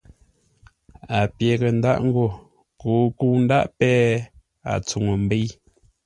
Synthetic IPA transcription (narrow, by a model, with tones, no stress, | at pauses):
a˨pje˨ɣe˨n̩da̰˦˨ʔŋ̩˦ɡo˨ | kuː˦ku˦˨n̩˦da˦ʔpɛː˦ | a̰˨t͡su˨ŋə˨m̩˨be˦